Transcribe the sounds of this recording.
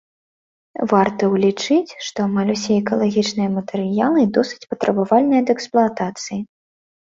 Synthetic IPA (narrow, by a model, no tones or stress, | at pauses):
vart̪ɐwlʲit͡ʂɨt͡sʲʂt̪ɔmalʲusʲɛɛɛkɐlˠaɣʲit͡ʂnɨjɐmɐt̪ɛɾɨjalˠɨd̪ɔsɨ̥t͡sʲpɐt̪ɾʔɐbavalʲnɨjɐd̪ɛksplˠʊat̪at̪sɨji